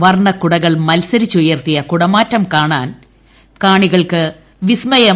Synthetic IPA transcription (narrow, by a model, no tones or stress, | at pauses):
ʋɐrɳɐkuɽɐɣɐɭmɐlsɐɾit͡ɕːujɐrt̪ijɐkuɽɐmaːtːɐmkaːɳaːn | kaːɳiɣɐɭkɨ | ʋismɐjɐ